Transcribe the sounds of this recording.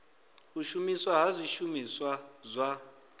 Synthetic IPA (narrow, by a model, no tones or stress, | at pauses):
uʃumiswaɦazʷiʃumiswazʷa